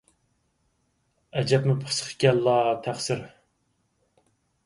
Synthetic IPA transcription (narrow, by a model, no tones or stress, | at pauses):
ɛd͡ʒɛpmɪpʰəsə̥χʰkʲɛlːɑt̪ʰæχsɪɾ